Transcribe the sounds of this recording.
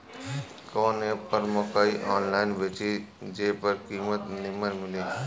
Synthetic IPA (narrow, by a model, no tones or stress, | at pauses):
kɔːnepəɾmokaːiʔɔːnlaːɪnbeːt͡ʃid͡ʒeːpəɾkiːmət̪nɪmənmɪliː